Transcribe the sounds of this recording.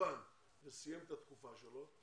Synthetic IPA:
an | vesijemet̪at̪kufaʃelo̞

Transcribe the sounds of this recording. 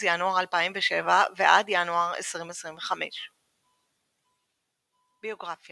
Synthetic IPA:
januaʁalpaimveʃevaveʔadjanuaʁḛsʁimesʁimveχamḛʃ | bio̞ɡʁafja

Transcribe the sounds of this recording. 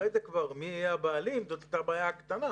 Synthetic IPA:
ezekvaʁmiajabaːlimzot̪at̪abaːjakt̪ana

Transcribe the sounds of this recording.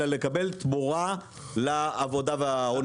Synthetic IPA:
alekabelt̪buʁa | laːvo̞d̪aveaon

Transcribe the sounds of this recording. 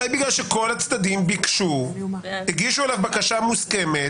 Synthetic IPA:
ajbiɡlalʃeko̞lat͡sd̪ad̪imbikʃuhiɡiʃuelavbakaʃamuske̞me

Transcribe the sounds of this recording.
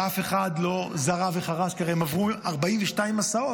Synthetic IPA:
afe̞χadlo̞zaʁaveχaʁaʃkaʁeemavʁuaʁbaiɱveʃtaimasao̞

